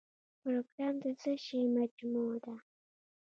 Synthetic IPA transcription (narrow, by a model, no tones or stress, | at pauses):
pɾoɡɾɑmd̪əsəʃejmad͡ʒmud̪a